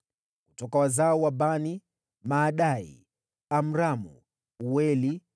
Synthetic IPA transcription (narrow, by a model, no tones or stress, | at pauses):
kutɔkawazaɔwaɓani | maːɗaḭ | am̩ɾamṵ | uwɛli